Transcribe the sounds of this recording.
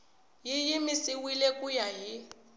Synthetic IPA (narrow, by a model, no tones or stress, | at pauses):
jijimisiwilekʼujaɦi